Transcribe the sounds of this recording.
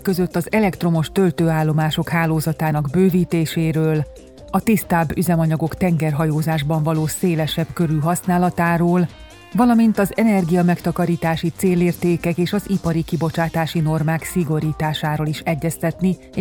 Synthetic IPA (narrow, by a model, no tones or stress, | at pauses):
kːøzøt̪ːɒzɛlɛkt̪ro̞mo̞ʃt̪ø̞lt̪øːaːlːo̞maːʃo̞khaːloːzɒt̪aːnɒɡbøːviːt̪eːʃeːɾøːl | ɒt̪ist̪aːbːyzɛmɒɲɒɡo̞kt̪ɛŋɡɛrɦɒjoːzaːʒbɒɱvɒloːseːlɛʃɛbkø̞ɾyːɦɒsnaːlɒt̪aːɾoːl | vɒlɒmint̪ɒzɛnɛrɡijɒmɛkt̪ɒkɒɾiːt̪aːʃit̪seːleːrt̪eːkɛkeːʃɒzipɒɾikibo̞t͡ʃaːt̪aːʃino̞rmaːksiɡo̞ɾiːt̪aːʃaːɾoːliʃɛɟːɛst̪ɛt̪ni